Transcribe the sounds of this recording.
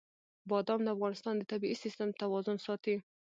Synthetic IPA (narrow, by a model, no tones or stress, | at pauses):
bɑd̪ɑmdləafɣɑnɪst̪ɑnd̪ət̪abiisist̪əmt̪awɑzʊnsɑt̪i